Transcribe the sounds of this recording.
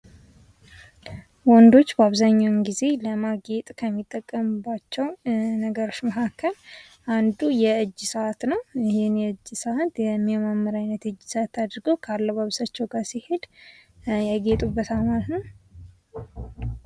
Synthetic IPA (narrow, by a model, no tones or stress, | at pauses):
wɔnd̪o̞t͡ʃːbəaβzaɲːawnɡize̞ləmaɡe̞t̪ʼkʰəmːit̪ʼːəkʼːəmubːat͡ʃːɛwnəɡəɾo̞t͡ʃːməkʰakʰːəl | ʔand̪ujɛɨd͡ʒːsəat̪nəwjɪhɪnjɛɨd͡ʒːsəʔat̪jɛmːjɛmamːəɾajnːət̪ɨd͡ʒːsəat̪ːad̪ɾɡəwkʰalːəβaβsat͡ʃːɛwɡaɾsihe̞d̪ | jɛɡet̪ʼubːət̪amalt̪nəw